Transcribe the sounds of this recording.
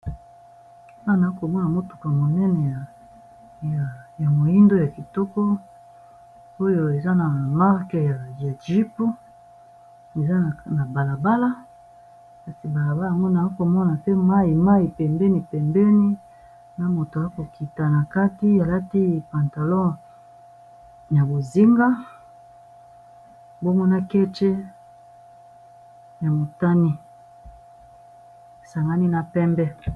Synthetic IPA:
i˨pa˦˨na˨a˦ko˨mɔ˦na˨mo˦tu̥˨ka˨mo˨nɛ˦nɛ˨ja˨ | ja˨ja˨mo˨i˦ndo˦ja˨ki˨tɔ˦kɔ˦ | o˦jo˨e˨za˦na˨ma˦ʁke˨ja˨va˨ʒi˦po˦ | e˨za˦˨na˨ba˨la˨ba˦la˦ | ka˨si˨ba˨la˨ba˦˨a˨ŋɡo˦na˨˦ko˨mɔ˦na˨se˦ma˦i˨ma˦ji˨pɛ˨mbɛ˦ni˨pɛ˨mbɛ˦ni˦ | na˦mo˨to˨a˦ko˨ki˨ta˨na˨ka˦ti˦a˨la˦ti˦˨pa˨nta˨lɔ̃˦ | ja˨bo˨zi˦ŋɡa˦ | bo˦mɔ˦na˦kɛ˦t͡ʃɛ˦ | ja˨mo˨ta˦ni˦ | e˨sa˨ŋɡa˦ni˦na˨pɛ˦mbɛ˦

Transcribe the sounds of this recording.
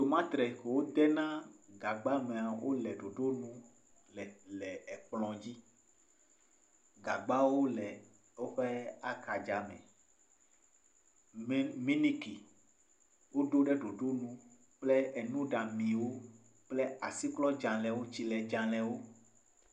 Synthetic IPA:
t̪o˨mã˦t̪ɾɛ˨ke˨wo˦d̪ɛ˦nã˦ɡa˨ɡ͡ba˦mɛ̃˨a˨wo̰˦lɛ˨ɖo˨ɖo˦nũ˦ | lɛ˨lɛ˨ɛ˨ɸlɔ̃˨d͡ʑi˦ | ɡa˨ɡ͡ba˦wo˦lɛ˨ | wo˦ɸɛ˦a˦ka˨d͡ʒa˨mɛ̰̃˨˦ | mĩ˦ni˦ki˨ | wo˦ɖo˦ɖɛ˦ɖo˨ɖo˦nũ˦ | k͡plɛ˦e˨nũ˦ɖã˨mĩ˨wo˦ | k͡plɛ˦a̰˨si˦klɔ˦d͡ʒã˨lɛ̃˨wo˦t͡ɕi˦lɛ˨d͡ʒã˨lɛ˨wo˦

